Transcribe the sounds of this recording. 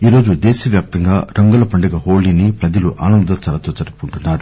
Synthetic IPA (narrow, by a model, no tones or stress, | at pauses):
iːɾo̞ːd͡ʒud̪eːʃɐʋjaːp̚t̪ɐŋɡaːɾɐŋɡɐlɐpɐɳɖɐɡɐɦoːlinipɾɐd͡ʒɐluʔa̰ːnɐnd̪ɐt͡ʃɐlɐt̪o̞ːt͡ʃɐɽupuɳʈunːaːɾu